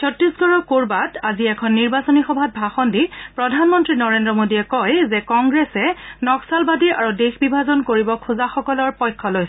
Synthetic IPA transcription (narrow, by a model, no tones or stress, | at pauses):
sʰɔtɹisɡɔɹɔkoɹbataziɛkʰɔnːiɹbasɔnixɔbʱat̚bʱaxɔndipɹɔdʱanmɔntɹinɔɹendɹɔmodiɛkɔjzɛkɔŋɡɹɛsɛnɔksalbadiʔaɹudexbibʱazɔnkoɹibɔkʰuzaxɔkɔlɔɹpɔjkʰːɔloj